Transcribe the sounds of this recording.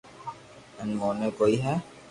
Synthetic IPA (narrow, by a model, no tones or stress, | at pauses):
ɪnmoːnekoːiɦɛː